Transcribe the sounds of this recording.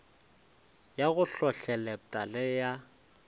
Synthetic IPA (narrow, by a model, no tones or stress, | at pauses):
jaɣʊɬɔɬɛlɛtʼalɛja